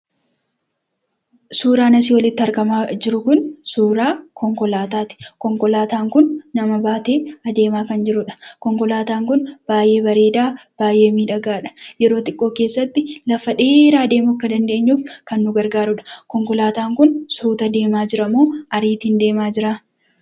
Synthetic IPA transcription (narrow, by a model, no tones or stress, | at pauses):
suːɾaːnɐs̬iːwɐlɪt̪ːɪɐɾɡɐmaːd͡ʒɪɾʊkʊnsuːɾaːkɔŋkɔlaːt̪aːt̪ɪ̥kɔŋkɔlaːt̪aːŋkʊnːɐmɐbaːt̪e̞ːɐd̪e̞ːmaːkɐnd͡ʒɪɾʊᶑɐ̥kɔŋkɔlaːt̪aːŋkʊnb̥aːjʔe̞ːbɐɾe̞ːd̪aːb̥aːjʔe̞ːmiːᶑɐɡaːᶑɐ̥jɛɾo̞ːt̪ɪkʼːo̞ːkeːsːɐt̪ːɪlɐfɐᶑeːɾaːd̪e̞ːmʊkːɐd̪ɐnd̪e̞ːɲːuːfkɐnːʊɡɐɾɡaːɾʊᶑɐ̥kɔŋkɔlaːt̪aːŋkʊnsuːt̪ɐd̪e̞ːmaːd͡ʒɪɾɐmoːɐɾiːt̪iːnd̪e̞ːmaːd͡ʒɪɾaː